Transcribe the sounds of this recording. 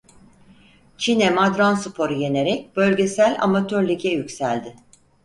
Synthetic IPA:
t͡ʃʰinɛmad̪ɾansypʰo̞ɾɯje̞ne̞ɾɛc̚bø̞lʲɟe̞sælʲa̰mat̪ʰøɾlʲicʰɛjycʲsælʲd̪ɪ

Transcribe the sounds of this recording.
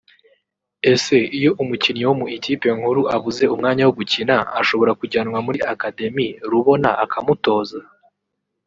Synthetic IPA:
e̞se̞ijo̞ʔumucinɲewomuetipeŋ̥huɾuʔaβuze̞umŋaːɲawoɡucinaaʃo̞βo̞ɾakuɟaːnwamuɾiakade̞miɾuβo̞na̰ʔakʰamuto̞ːza

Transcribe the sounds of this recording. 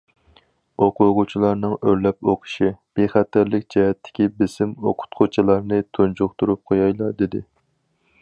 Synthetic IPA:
oqʰʊʁʊt͡ʃʰilˠɑɾnɨŋøɾlɛpoqʰə̥ʃib̥eχæt̪ːɪɾlɪkʲd͡ʒɛhɛt̪ʰːɪ̥kʲibɪsɪmoqʰʊ̥t̪qʰʊt͡ʃʰilˠɑɾnɨt̪ʰunt͡ʃʰuχt̪uɾup̚qʰojɑjlˠɑɾd̪ed̪ɪ

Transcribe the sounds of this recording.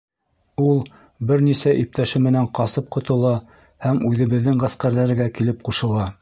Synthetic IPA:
ulˠ | bɘɾnisæʔip̚t̪ʰæʃɘmɘ̆næɴqɑsɤp̚qŏt̪ɤ̆lˠɑ | hæmʉðɘ̆βɘ̆ðːɘŋʁæsqæɾlæɾɘ̆ɡækilɘp̚quʃɤ̆lˠɑ

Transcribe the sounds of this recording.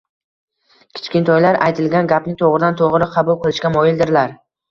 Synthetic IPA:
kʲʰɪ̥t͡ʃkʲɪnt̪ʰɒjlaɾa̰jt̪ʰɪlɡʲanɡʲapnɪŋt̪ʰoʁɾɪd̪ant̪ʰoʁɾɪqʰɑbʊlˠqʊlɪʃkʲamɒjɪld̪ɪɾlaɾ

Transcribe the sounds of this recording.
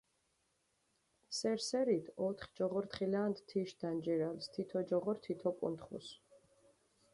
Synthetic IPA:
sɛɾsɛɾit̪ʰɔt̪ʰχd͡ʒɔʁɔɾt̪χilaːnd̪t̪ʰiʃd̪̥and͡ʒɛɾalst̪ʰit̪ʰɔd͡ʒɔʁɔɾt̪ʰit̪ʰɔkʼṵnt̪ʰχṵs

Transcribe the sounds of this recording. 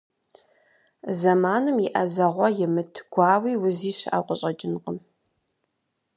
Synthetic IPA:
zɐmaːnɨmiʔɐzɐʁʷɔjɪmɨtʰɡ̥ʷɑːwiːwʊziːʃa̰ːqʷʼʊɕʼɐd͡ʒʼɪnqʼəm

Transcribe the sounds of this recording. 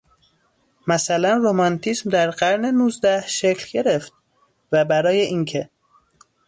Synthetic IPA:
mæsælænromɒnt̪ʰismd̪æɾɢæɾne̞nuːzd̪æhʃecʰlɟe̞ɾe̞ft̪̚ | væbæɾɒːjeʔincʰe̞

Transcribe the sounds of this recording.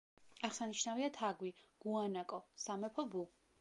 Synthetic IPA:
aʁsaniʃnaviat̪ʰaɡwiɡ̥uanakʼɔsamɛpʰɔbu

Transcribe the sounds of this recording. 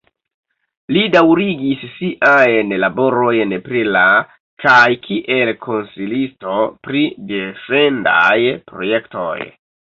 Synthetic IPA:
lidawɾiɡisːiʔajnlabo̞ɾo̞jnpɾila | kajkʰiʔe̞lkʰo̞nsilisto̞pɾide̞fe̞nda̰jpɾo̞̰je̞kto̞̰j

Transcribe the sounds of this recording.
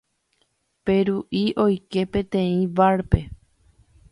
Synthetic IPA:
peɾuʔiʔo̞jke̞pẽ̞t̪ẽ̞ĩʋaɾpe̞

